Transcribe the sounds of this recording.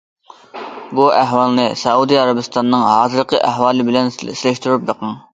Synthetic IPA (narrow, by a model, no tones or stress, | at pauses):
buʔæɦwɑlˠnɨsɛud̪iɑɾɑbɪst̪ɑnːɨŋɦɑːzɨɾqʰəʔæɦwɑːlˠɨbɪlɛnɪslɛʃt̪uɾyp̚b̪eqɑŋ